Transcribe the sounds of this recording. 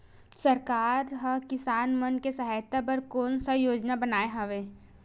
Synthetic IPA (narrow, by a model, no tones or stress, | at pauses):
sɐɾkaːɾɦɐkɪsaːnmənkesɐɦaːjt̪apɐɾkoːnsajoːd͡ʒnabɐnaːeɦɐ̃ʋeː